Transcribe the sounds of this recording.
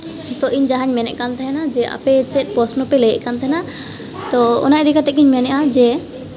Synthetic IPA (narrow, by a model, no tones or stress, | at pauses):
t̪ɔʔiɲd͡ʒaɦaɲmɛnɛ̰ʔkant̪ʰɛɦɛnad͡ʒɛʔa̰pɛt͡ʃɛt̪̚ˀpɔsnɔpɛlɛjɛʔkant̪ʰɛɦɛna | t̪ɔɔ̰naʔɾikat̪ɛkiɲmɛnɛʔad͡ʒɛ